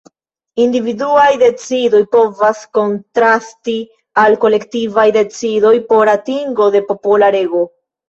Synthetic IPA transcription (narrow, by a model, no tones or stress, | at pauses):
individuajde̞t͡sido̞jpo̞vasko̞ntɾasti | alko̞le̞ktivajde̞t͡sido̞jpo̞ɾatiŋɡo̞de̞po̞polaɾe̞ɡo̞